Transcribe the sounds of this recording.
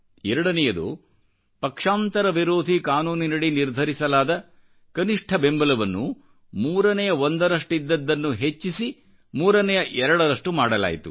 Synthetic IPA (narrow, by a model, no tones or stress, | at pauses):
ɛɾɐɽɐnɛjɐd̪ṵ | pɐkʂaːnt̪ɐɾɐʋiɾoːd̪ʱikaːnuːninɐɽiniɾd̪ʱɐɾisɐlaːd̪ɐ | kɐniʂʈʰɐbe̞mbɐlɐʋɐnːu | muːɾɐnɛjɐond̪ɐɾɐʂʈid̪ːɐd̪ːɐnːuɦet͡ʃːisi | muːɾɐnɛjɐʔɛɾɐɽɐɾɐʂʈumaːɽɐla̰ːjit̪u